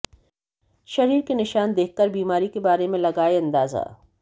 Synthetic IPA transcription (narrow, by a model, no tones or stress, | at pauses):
ʃɐɾiːɾkenɪʃaːnd̪eːk̚ʰkɐɾbiːmaːɾikebaːɾemẽlɐɡaːeɐ̃nd̪aːza̰ː